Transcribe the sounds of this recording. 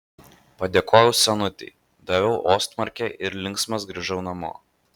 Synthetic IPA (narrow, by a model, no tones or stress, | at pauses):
pɐd̪ʲeːkʰoːjɛʊsʲɛnʊt̪ʲɛ̰ɪ | d̪ɐʋʲɛʊʔoːst̪mɐɾʲkʲɛʔɪɾlʲɪŋksmɐs̬ɡɾɐʒɛʊnɐmo̰ː